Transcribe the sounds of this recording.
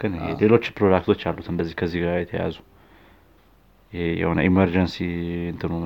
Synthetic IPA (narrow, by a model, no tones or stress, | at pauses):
ɡɨnhḛle̞lo̞t͡ʃːpʰɾod̪ak̚t̪ʰo̞t͡ʃːalːut̪ɨnd̪əzːihkʰəzːihɡɾajɛt̪ʰəja̰zu | jɪejɛ̰hnə̰ʔiməɾd͡ʒənsiɨnt̪ʰɨnu